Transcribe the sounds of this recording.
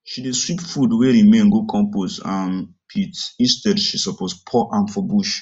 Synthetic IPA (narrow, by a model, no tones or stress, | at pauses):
ʃideswipfudweɾimẽnɡokʰɔ̃mposãn | pʰitĩnstɛdʃisɔpospʰɔʔãnfɔbuʃ